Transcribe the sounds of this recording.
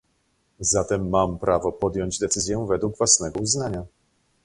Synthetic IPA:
zat̪ɛmːampɾʔavɔpɔd̪jɔɲd͡ʑd̪ɛt̪sɘzʲjɛ̃vɛd̪wuɡvwasnɛɡɔuznaɲa

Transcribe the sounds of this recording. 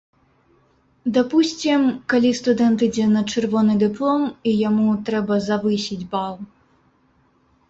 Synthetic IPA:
d̪apusʲt͡sʲimkalʲist̪ud̪ɛnt̪ɨd͡zʲɛnɐt͡ʂɨrvɔnɨd̪ɨplˠɔmijamut̪ɾɛbɐzavɨsʲid͡zʲbalˠ

